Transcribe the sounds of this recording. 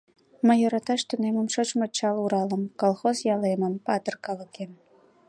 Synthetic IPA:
məoɾɑt̪ɑʃt̪uneməmʃot͡ɕmət͡ɕːɑluɾɑlə̆mkolˠxozjɑlemə̆mpɑt̪ərkɑlə̆ken

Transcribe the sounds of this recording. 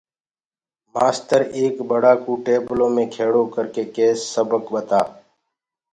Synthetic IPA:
maːst̪əɾeːkbəɽaːkuːʈeːblõːmẽːkʰeːɽoːkəɾkeːkeːsːəbəkbət̪aː

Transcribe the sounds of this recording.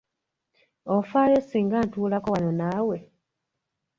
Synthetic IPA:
ofaːjosiːŋɡaːntuːlakowanonaːwe̞

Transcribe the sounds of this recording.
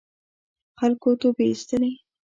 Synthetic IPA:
xalkot̪opeist̪əne

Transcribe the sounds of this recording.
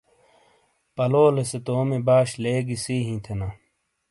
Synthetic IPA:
pɐloːleset̪oːmebaːɕleːɡisiːɦĩːt̪ʰena

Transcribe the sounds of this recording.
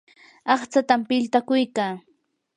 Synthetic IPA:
ɑχt͡sat̪ampɪlt̪akʊjkaː

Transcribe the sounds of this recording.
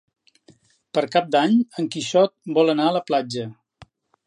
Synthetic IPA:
pəɾkap̚d̪aɲəŋkiʃɔt̪̚bɔlˠənaələplad͡ʒə

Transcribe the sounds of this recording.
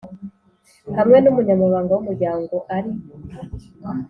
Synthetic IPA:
hamwenumuɲamaβaːŋɡawumuɾɟaːŋɡɔʔaɾi

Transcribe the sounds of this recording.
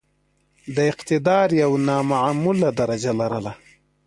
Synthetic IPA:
d̪əɪqt̪ɪd̪ɑːɾjawnɑmaʕamulad̪aɾad͡ʒalaɾəla

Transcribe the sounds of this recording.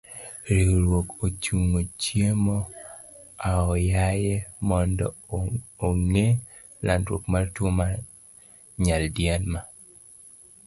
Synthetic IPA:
ɾiɾwokot͡ʃuŋot͡ʃjemɔ | aɔjajemɔndɔ̰ | oŋe | landɾwo̰kmartwoma | ɲaldjɛnma

